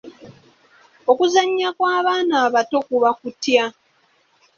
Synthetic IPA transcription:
o̞kuzaɲːakwaːβaːnaːβato̞kuβakutja

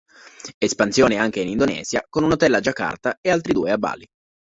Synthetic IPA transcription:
espansjoːneaŋk̟einind̪onɛ̰ːz̥jakonunot̪ɛlːad͡ʒakːa̰rt̪aealt̪ɾid̪ṵːeabːa̰ːli

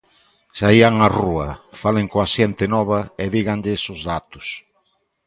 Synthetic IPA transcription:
saiaŋaruɐfalɪŋkoaʃɛnt̪ɪnɔβ̞ɐɪðiɣaŋʎɪsʊzðat̪ʊ̥s

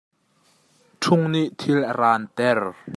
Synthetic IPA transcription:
ʈ͡ʂʰʊŋniʔt̪ʰilʔəɾaːnt̪ɛr

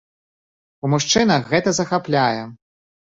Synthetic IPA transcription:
umuʂt͡ʂɨnɐxɣɛt̪ɐzɐxaplʲajɛ

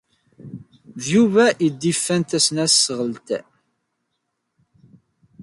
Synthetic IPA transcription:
ðjuvæʔid̪ːifːænt̪æsnæsəʁəlt̪

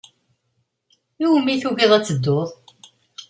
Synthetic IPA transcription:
uwmːiθuɣiðˤæt͡sːəd̪ːoðˤ

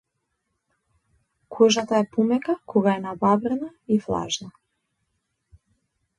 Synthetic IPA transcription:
kʰɔʒat̪aɛpumɛkakʰɔɡaɛnababɾɛnaiflˠa̰ʒna

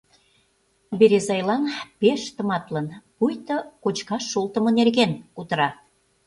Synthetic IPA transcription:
beɾezɑjlɑnpeʃt̪ə̆mɑt̪lənpujt̪ɤ̆kot͡ɕkɑʃːolt̪ə̆mɤ̆nerɣenut̪ə̆ɾɑ

